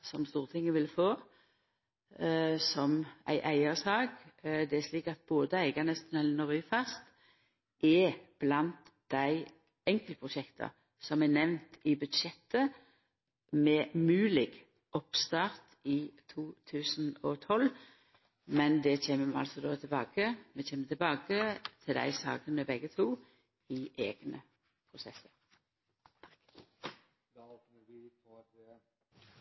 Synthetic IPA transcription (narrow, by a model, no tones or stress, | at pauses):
sɔmst̪uːʁət̪ʰɪŋːəʋɪlfoː | sɔmæ̰ɪʔæɪəsɑːɡd̪ɛæʂliːkɑt̪̚boːd̪əæɪɡɑnəst̪nɛlnəʁyːfɑst̪ | ʔɛb̥lɑnt̪d̪̥æɪ | ɛŋkələpʰʁʊʃɛkt̪ʰɑ̰ | sɔmɛnɛʋnt̪ɪbʉd̪ʃɛt̪ːə | mɛmʉːlɪɡ | ɔpst̪ɑːʁt̪it̪ʰuːt̪ʰʉːsn̩ɔt̪ʰɔl | mɛnd̪ɛçeːməɑ̰lsɔd̪oːt̪ʰɪlbɑːkəmɛçeːmːət̪ʰɪlbɑːkət̪ʰɪld̪æ̰ɪsɑ̰ːɡənəbɛɡət̪ʰuː | ɪʔeːɡ̥nə | pʰʁʊsɛsəɾ